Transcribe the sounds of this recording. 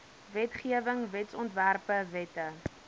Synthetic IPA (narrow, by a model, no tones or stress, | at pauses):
vɛtχiəvəŋvɛtsɔntværpəvɛtə